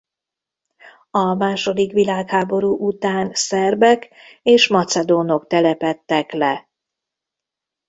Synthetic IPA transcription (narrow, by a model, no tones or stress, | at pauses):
ɒmaːʃo̞d̪ikʋilaːkhaːbo̞ɾuːʔut̪aːnsɛrbɛkeːʃmɒt̪sɛd̪oːno̞kt̪ɛlɛpɛt̪ːɛklɛ